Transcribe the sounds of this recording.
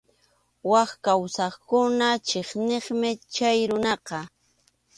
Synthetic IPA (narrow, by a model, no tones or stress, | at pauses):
wɑχkawsɑχkʊnat͡ʃeχneχmɪt͡ʃajɾʊnɑqɑ